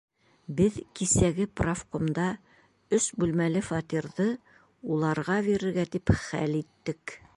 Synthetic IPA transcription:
bɘðkisæɡɘprafqomd̪ɑ | ɵsbʉlmælɘfɑt̪iɾðɤ | ulˠɑɾʁɑβiɾɘ̆ɾɡæt̪ipχæ̰lit̪ːɘk

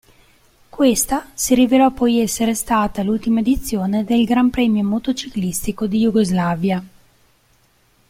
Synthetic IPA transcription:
kwest̪asiɾivelɔpːɔjɛsːeɾest̪aːt̪alult̪imaed̪it̪sːjoːned̪elɡɾampɾɛːmjomot̪ot͡ʃiklist̪ikod̪ijuɡozlavja

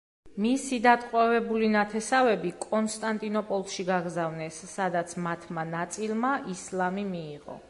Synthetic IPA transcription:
misid̪at̪ʼqʼwɛvɛbulinat̪ʰɛsavɛbikʼɔnst̪ʼant̪ʼinɔpʼɔlˠʃiɡaɡɾzavnɛsːad̪at̪sʰmat̪ʰmanat̪sʼilˠmaʔislˠamimiːʁɔ̰

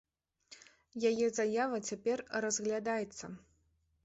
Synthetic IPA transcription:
jajɛzajavɐt͡sʲapʲɛrrɐzɣlʲad̪ajɛt̪sːɐ

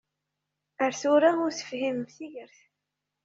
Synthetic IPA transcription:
əɾθʊɾaʊɾθə̥fhiməmθiʝəɾθ

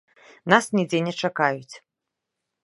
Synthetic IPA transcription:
nasnʲid͡zʲɛnʲɛt͡ʂakajut͡sʲ

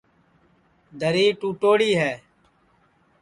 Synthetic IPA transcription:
d̪ʱəɾiːʈũːʈoːɽiːɦɛː

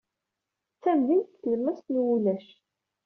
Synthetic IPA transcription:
t͡sːæmðint̪θjəmːæst̪nwulæʃ

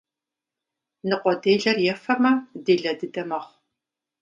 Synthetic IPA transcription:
nɨqʷɔdeːjɮɐrjɛfɐmɐdeːɮɐdɨdɐmɐχʷ

